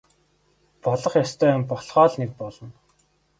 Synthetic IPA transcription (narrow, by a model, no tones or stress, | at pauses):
pɔɮɞ̆χjɔst̪ʰœːmpɔɮχɔːɮnek̚pɔɮɞ̆n